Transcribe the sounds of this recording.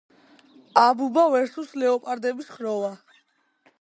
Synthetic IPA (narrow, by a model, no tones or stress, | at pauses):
abubavɛɾsuslɛɔpʼaɾd̪ɛbisχɾɔva